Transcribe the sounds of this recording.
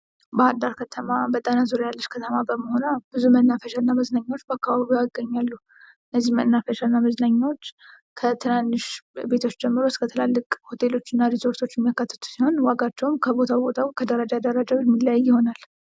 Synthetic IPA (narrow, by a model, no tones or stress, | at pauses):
bəhad̪aɾkʰət̪ʰəmabət̪ʼanazuɾajalːəʃkʰət̪ʰəmabəməho̞nəb̥ɨzumənːafəʃalnːaməznaɲːawot͡ʃːbəakːaβaaβiaɡəɲːalːu | ɨnːəzːihməʔnːafeʃalnːaməznaɲːawot͡ʃː | kʰət̪ʰɨnanːɨʃbe̞t̪ʰo̞t͡ʃːd͡ʒɛmːɨɾoskʰət̪ʰəlalːɨkʼho̞t̪ʰe̞lo̞t͡ʃːɨnːaɾiso̞ɾt̪ʰo̞t͡ʃːjɛmijakːat̪ːə̥t̪ʰu̥siho̞nwaɡat͡ʃːɛwmkʰəbo̞t̪ʰawbo̞t̪ʰawkʰəd̪əɾəd͡ʒad̪əɾad͡ʒawɛmːilajːɪho̞nal